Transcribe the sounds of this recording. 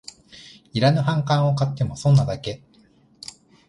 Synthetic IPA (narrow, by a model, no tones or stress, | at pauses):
iɾanoɦãŋkãɰ̃o̞kat̪ːe̞mo̞sõ̞nːad̪ake̞